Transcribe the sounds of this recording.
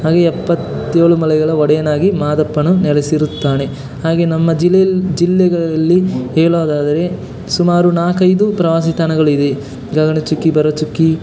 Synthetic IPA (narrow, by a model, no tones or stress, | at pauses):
ɦaːɡeɛpːɐt̪ːeːɭumɐlɛɡɐɭɐɔɽɛjɐnaːɡimaːd̪ɐpːɐnunɛlɛsiɾut̪ːaːne̞ | haːɡe̞ːnɐmːɐd͡ʒild͡ʒilːɛɡɐɭɐɐlːiɦɛːɭoːd̪aːd̪ɐɾe̞ | sumaːɾunaːkɐjd̪upɾɐʋaːs̬it̪aːnɐɡɐɭuid̪e | ɡɐɡɐɳɐt͡ʃukːibɐɾʋɐt͡ʃukːi